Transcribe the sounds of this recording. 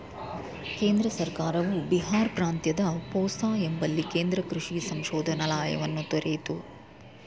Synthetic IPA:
ke̞ːnd̪ɾɐsɐɾkaːɾɐʋubiɦaːɾpɾaːnt̪jɐd̪ɐpɔːsaːembɐlːikeːnd̪ɾɐkɾuʂisɐŋʃɔːd̪ʱɐnɐlaːjɐ̰ʋɐnːut̪oɾeːt̪u

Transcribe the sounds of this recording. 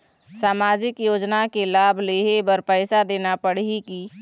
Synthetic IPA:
saːmaːd͡ʒɪkjoːd͡ʒnakelaːbʱleːɦebəɾpɛːsad̪eːnapəɽiki

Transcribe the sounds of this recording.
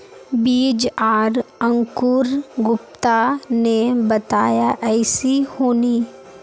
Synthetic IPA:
biːd͡ʒaːɾə̃ŋkʊɾɡʊpt̪anebɐt̪aːjaʔɛːsihoːniː

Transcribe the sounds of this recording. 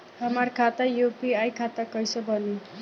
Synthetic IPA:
ɦʌmarkʰat̪ajupiajkʰat̪akʌjsobʱʌni

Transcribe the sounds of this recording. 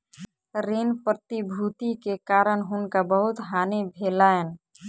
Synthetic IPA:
ɾenpɾət̪ibʱut̪ikekaːɾənɦʊnkabəɦʊt̪ɦaːnebʱelaen

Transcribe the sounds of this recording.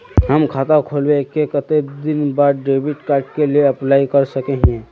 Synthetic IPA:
ɦəmkʰaːt̪akʰolwekːekət̪ed̪ɪnbaːɾɖɾebɪʈkaːɾʈ̚kelieəplaːikəɾsəkeɦɛ̃

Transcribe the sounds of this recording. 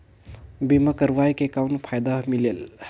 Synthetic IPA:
bimɐkɐɾwajkekawnpʰajd̪amilel

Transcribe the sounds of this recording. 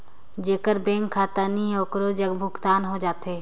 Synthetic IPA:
d͡ʒeːkəɾbɛ̃ːŋkʰːaːt̪aːniɔːkɾoːd͡ʒəɡbʱʊɡt̪aːnɦod͡ʒaːt̪ɦeː

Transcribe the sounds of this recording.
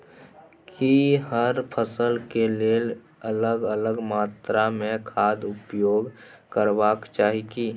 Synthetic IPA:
kʰiɦəɾpʰəsəlkeleːl | ələɡələɡmaːt̪ɾamẽkʰaːd̪ʊpjoːɡkəɾʋaːkt͡ʃaːɦiki

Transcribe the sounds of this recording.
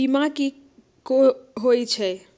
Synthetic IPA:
imãki | koɦojt͡ʃʰɛ

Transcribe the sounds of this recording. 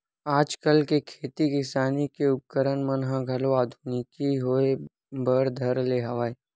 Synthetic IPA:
aːd͡ʒkəlkekʰeːt̪ikɪsaːnikeʊp̚kəɾənmənɦə̃ɡʱɐloaːd̪ʱunɪkiɦoe | bəɾd̪ʱəɾleːɦɐʋaːe

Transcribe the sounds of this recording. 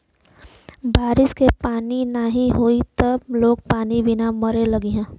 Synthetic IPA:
baːɾɪskepaːninaɦiɦoit̪əbloːɡ̚paːnibɪnaməɾeləɡeɦɛ̃ː

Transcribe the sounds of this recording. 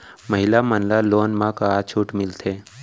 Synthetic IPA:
məɦɪlamənlaloːnmãkat͡ʃʰuːʈmɪlt̪ʰeː

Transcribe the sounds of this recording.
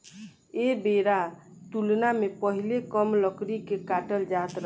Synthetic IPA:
ebeɾat̪ulnamepəɦilekəmləkɾikekaʈəld͡ʒat̪ɾə

